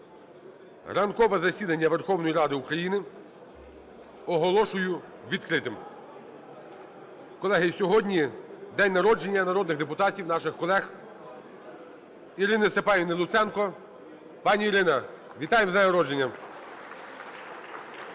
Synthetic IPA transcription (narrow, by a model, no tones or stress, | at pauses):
rɐnkɔʋɛzɐsʲid̪ɐnʲːɐʋerxɔwnɔjiɾɑd̪ɪukɾɐjinɪ | ɔɦɔlˠɔʃʊjʊ | ʋʲid̪kɾɪt̪ɪm | kɔlˠɛɦɪsʲɔɦɔdʲnʲid̪ɛnʲnɐɾɔd͡ʒenʲːɐnɐɾɔd̪nɪɣd̪epʊt̪ɑtʲiwnɑʃɪxkɔlˠɛx | iɾɪnɪst̪epɑjʲinɪlˠʊt̪sɛnkɔ | pɑnʲiiɾɪnɐ | ʋʲit̪ɑjemzɛnjnɐɾɔd͡ʒenʲːɐ